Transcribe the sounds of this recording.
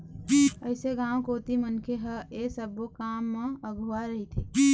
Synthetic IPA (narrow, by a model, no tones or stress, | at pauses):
əɪseɡãːwkoːt̪imənkʰeɦəesəbokaːmːẽəɡʱuaɾəɦit̪ʰiː